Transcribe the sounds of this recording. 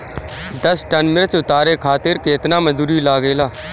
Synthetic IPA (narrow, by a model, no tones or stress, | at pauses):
d̪əsʈənmɪɾət͡ʃʊt̪aːɾeːkʰaːt̪ɪɾkeːt̪naːməzd̪uːɾiːlaːɡeːlaː